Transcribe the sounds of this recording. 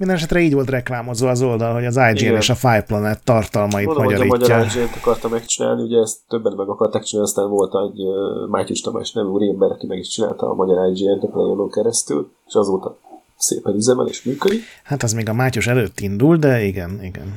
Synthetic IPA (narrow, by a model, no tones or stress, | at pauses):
mind̪ɛnɛʃɛt̪rɛiːɟʋo̞lt̪rɛklaːmo̞zoɒzo̞ld̪ɒlɦo̞ɟɒzajd͡ʒiɛeːʃɒfajplɔnɛt̪ːɒrt̪ɒlmɒimɒɟɒiːmɒɟɒɾajd͡ʒiɛnt̪ɒkɒrt̪ɒmɛkt͡ʃina̰ːlniuɟɛːst̪tːøbːɛnmɛmɒkɒrt̪aːkt͡ʃinaːnst̪aːnvo̞lt̪ɛɟømaːcuʃt̪ɒma̰ːʃnɛviuːɾiɛmbɛɾɒkimɛɡiʃt͡ʃina̰ːlt̪ɒ̰ːmɒɟɒɾajd͡ʒiɛnt̪øplɛ̰joloŋkɛɾɛst̪y̰l | e̥ʃɒzoːt̪ɒ | sḛːpɛnyzɛmɛ̰lḛːʃmyːkød̪ihat̪ɛzmeːɡɒmaːcuʃɛløːt̪ːind̪uld̪ɛiɡɛniɡɛ̰n